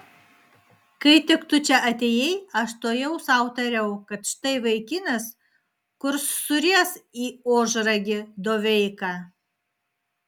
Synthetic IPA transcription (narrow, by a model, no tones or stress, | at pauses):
kɐɪt̪ʲɪkt̪ʊt͡ʃʲɛʔɐt̪ʲeːjɛɪɐʃt̪oːjɛʊsɑˑʊt̪ɐɾʲɛʊkɐt̪ʃʲɪ̥t̪ɐɪʋɐɪkʲɪnʲɐs | kʊɾsːʊɾʲiɛsiːoːʒɾɐɡʲɪd̪oːʋʲɛɪkɑ